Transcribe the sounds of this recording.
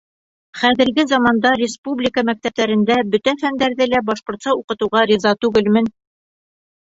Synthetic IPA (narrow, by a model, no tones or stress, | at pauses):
χæðɘ̆ɾɡɘzɑmɑnd̪ɑɾʲɪspublʲɪkəmæk̚t̪æp̚t̪æɾɘ̆nd̪æbɵt̪æfænd̪æɾðɘlæbɑʃqŏɾt̪sɑuqɤ̆t̪ɤ̆wʁɑɾʲizɑt̪ʉɡɘlmɘn